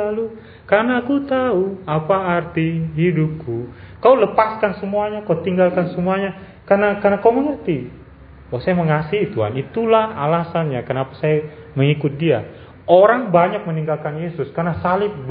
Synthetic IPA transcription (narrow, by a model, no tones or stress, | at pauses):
alu | kanaːkut̪auapaːrt̪iɦidʊp̚kukauləpaskansəmuaɲakaut̪iŋɡalkansəmuaɲa | karnakarnakauməŋərt̪i | wasajaməŋasiɦit̪uɦa̰nit̪ulahalasanɲakənapḁsaja | məŋikʊt̪̚dia | oɾaŋbaɲak̚məniŋɡalkanjesʊskarnasalɪp̚